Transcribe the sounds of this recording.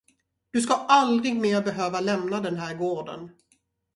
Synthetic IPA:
d̪̥ɵskaʔald̪ɾɪɡmeːɾbɛɦøːvalɛmnad̪ɛnɦæːɾɡoːɖə̰n

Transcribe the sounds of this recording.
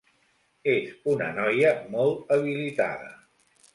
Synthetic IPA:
ezunə̰nɔjəmɔlˠt̪əβ̞ilit̪a̰ðə̰

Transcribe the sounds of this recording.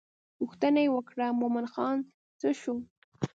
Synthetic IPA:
pʊxt̪anajewəkɽamomanxɑn | t͡səʃu

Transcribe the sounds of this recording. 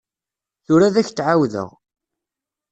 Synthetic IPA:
θʊɾaðæçt͡sːʕawðə̰ʁ

